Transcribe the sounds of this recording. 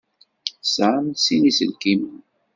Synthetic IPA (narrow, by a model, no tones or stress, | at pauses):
sʕamsinisə̰lkimən